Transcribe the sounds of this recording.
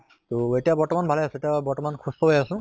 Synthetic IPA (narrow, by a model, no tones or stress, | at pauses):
toetiabɔɹtɔmanbʱalɛjasʊ̃etijabɔɹtɔmankʰustʰɔɦojasʊ̃